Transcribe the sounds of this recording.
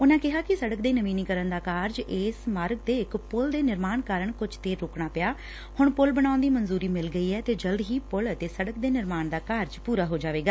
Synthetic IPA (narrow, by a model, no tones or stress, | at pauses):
ʊnãːkɪɦaːkɪsəɽəkd̪eːnəʋĩːniːkəɾənd̪aːkaːɾd͡ʒeːsmaːɾɡ̚d̪eːɪkpʊld̪eːnɪɾmaːɳkaːɾəɳkʊd͡ʒt̪eːɾːoːkɽaːpɪjaː | hʊɳpʊlbəɽ̃aːʊnd̪iːmənzuːɾiːmɪlɡəiːɦɛːt̪eːd͡ʒəld̪ɦiːpʊlət̪eːsəɽəkd̪eːnɪɾmaːɳd̪aːkaːɾd͡ʒpuːɾaːɦoːd͡ʒaːʋeːɡaː